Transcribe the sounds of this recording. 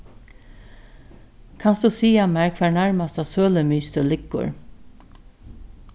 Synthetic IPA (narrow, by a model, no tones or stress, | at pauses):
kʰɑnsd̪ʉsiːamæɹkʰʋæːɳæɹmast̪asøːləmiːst̪əlɪkːʊ̰ɹ